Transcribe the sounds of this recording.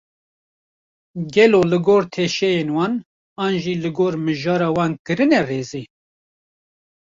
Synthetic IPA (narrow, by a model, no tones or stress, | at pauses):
ɡɛloːlɨɡoːɾt̪ʰeːʃɛjenwɑːn | ɑːnʒiːlɨɡoːɾmɨʒɑːɾɑːwɑːnkɨɾɨnɛreːziː